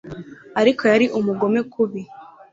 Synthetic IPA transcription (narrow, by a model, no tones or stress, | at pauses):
aɾikʰo̞jaɾiʔumuɡo̞me̞kʰuβi